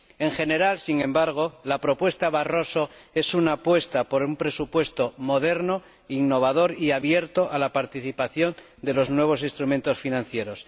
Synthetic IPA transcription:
e̞ŋxe̞ne̞ɾalsiŋẽ̞mbaɾɣ̞o̞lapɾo̞pwe̞st̪aβaro̞soe̞sunapwe̞st̪apo̞ɾumpɾe̞supwe̞st̪o̞mo̞ðe̞ɾno | iŋnːo̞β̞að̞o̞ɾiaβje̞ɾt̪o̞ʔalapaɾt̪iθipaθjo̞n | d̪e̞lo̞znwe̞β̞o̞s̬ĩnst̪ɾumẽ̞nt̪o̞sfinãn̟θje̞ɾo̞s

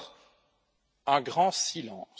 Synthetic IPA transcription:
ɛ̃ɡʁɑ̃silɑ̰̃ː

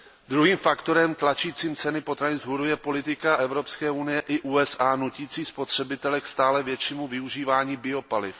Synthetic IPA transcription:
d̪ɾuɦiːmfakt̪o̞ɾɛmt̪lat͡ʃiːt͡siːmt͡sɛnɪpo̞t̪ɾaɲɪzɦuɾujɛpo̞lɪt̪ɪkaʔɛvɾo̞pskɛːunɪjɛʔɪʔuːɛsʔaːnuciːt͡siːspo̞t̪r̝̥ɛbɪt̪ɛlɛkst̪aːlɛvjɛt͡ʃimuvɪuʒiːvaːɲiːbɪo̞palɪf

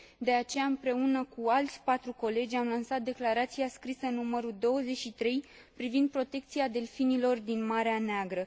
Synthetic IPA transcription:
d̪e̞at͡ʃe̞jaɨmpɾe̞unəkualt̪sʲpat̪ɾuko̞le̞d͡ʒʲamlansat̪̚d̪e̞klaɾat̪siaskɾisənuməɾud̪o̞wəze̞ʃit̪ɾe̞j | pɾivind̪̚pɾo̞t̪e̞kt̪siad̪e̞lfinilo̞rd̪inmaɾeaneaɡɾə

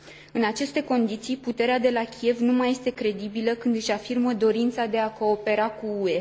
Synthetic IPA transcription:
ɨnat͡ʃe̞st̪e̞ko̞nd̪it̪sijput̪e̞ɾead̪e̞lakʲie̞vnumaje̞st̪e̞kɾe̞d̪ibiləkɨnd̪ɨʃafirməd̪o̞ɾint̪sad̪e̞ako̞ːpe̞ɾakuue̞

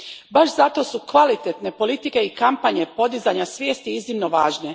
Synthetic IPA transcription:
baʃzat̪o̞sukʋalit̪et̪ne̞po̞lit̪ike̞ikampaɲe̞po̞d̪izaɲasʋje̞ːst̪iiznimno̞ʋaːʒne̞

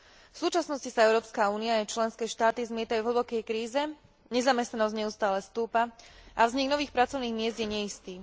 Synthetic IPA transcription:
fsuːt͡ʃasnɔscisaɛʊɾɔːpskauːniaːajt͡ʃlɛnskɛːʃt̪aːt̪izmɪɛt̪ajuvɦlbɔkɛjkɾiːzɛ | ɲɛzamɛst̪nanɔzɟɲɛʊst̪aːlɛst̪uːpaʔavzɲiɡnɔʋiːxpɾat͡sɔʊniːɣmɪɛzd̪jɛɲɛist̪iː

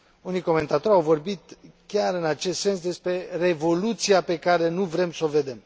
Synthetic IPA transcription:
uniko̞me̞nt̪at̪o̞ɾʲawvo̞rbit̪̚kʲaɾɨnat͡ʃe̞st̪se̞ns̬d̪e̞spɾe̞re̞vo̞lut̪sijape̞kaɾe̞nuvɾe̞mso̞ve̞d̪e̞m

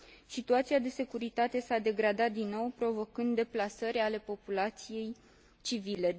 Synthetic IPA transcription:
sit̪uat̪siad̪e̞se̞kuɾit̪at̪e̞sad̪e̞ɡɾad̪at̪̚d̪inːo̞wpɾo̞vo̞kɨnd̪ːe̞plasəɾʲale̞po̞pulat̪sije̞j | t͡ʃivile̞

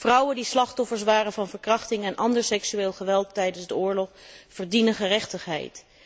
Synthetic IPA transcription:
v̥rʌwəndislɑχtɔfəɹs̬ʋaːrənvɑnvəɹkrɑχtɪŋɛnʔɑndəɹsɛksyeːlˠχəʋɛlˠtːɛjdənzdəʊːɹlɔχv̥əɹdinənχərɛχtəχɦɛ̰jt

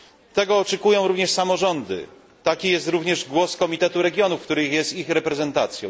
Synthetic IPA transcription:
t̪ɛɡɔːt͡ʂɛkujɔ̃w̃ɾuvɲɛʂsamɔʐɔnd̪ɘ̰ | t̪akʲijɛst̪ɾuvɲɛʐɡwɔskɔmʲit̪ɛt̪uɾɛɡʲjɔnufkt̪uɾɘxjɛst̪ixɾɛpɾɛzɛnt̪at̪sʲjɔ̃

